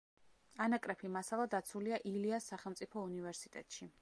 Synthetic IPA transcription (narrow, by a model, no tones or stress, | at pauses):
anakʼɾɛpʰimasalˠad̪at̪sʰuliaʔiliasːaχɛlˠmt̪sʼipʰɔunivɛɾsit̪ʼɛ̰t̪ʼʃi